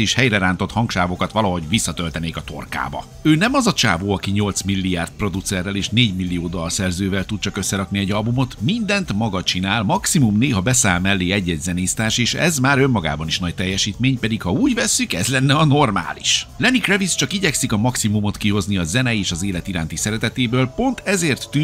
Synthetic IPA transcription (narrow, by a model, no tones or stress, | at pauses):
eːʃhɛjɾɛɾaːnt̪o̞t̪hɒŋkʃaːvo̞kɒt̪ʋɒlɒɦo̞ɟvisːɒt̪ølt̪ɛneːkɒt̪o̞̰rka̰ːbɒ̰ | øːnɛmɒzɒt͡ʃa̰ːvoːɒkiɲo̞lt̪smilːiaːrt̪̚pro̞d̪ut̪sɛrːɛleːʃneːɟmilːijoːd̪olːrsɛrzøːvɛlt̪ut̪̚t͡ʃɒkøsːɛɾɒkniɛɟːɒlbumo̞t̪mind̪ɛnt̪mɒɡɒt͡ʃinaːlmɒksimumneːɦɒbɛsaːlmɛlːeːɛɟːɛɟzɛneːst̪aːʃeːʃɛ̰zmaːɾø̞mːɒɡa̰ːbɒniʃnɒc̚t̪ɛjːɛʃiːt̪meːɲpɛd̪ikhɒuːɟvɛsːykɛ̰zlɛnːɛɒno̞rma̰ːlḭʃlɛnikrɛvist͡ʃɒkiɟɛksikɒmɒksimumo̞t̪kiɦo̞zniɒzɛnɛeːʃɒzeːlɛt̪iɾaːnt̪isɛɾɛt̪ɛt̪eːbøːlpo̞nt̪ɛzeːrt̪ːy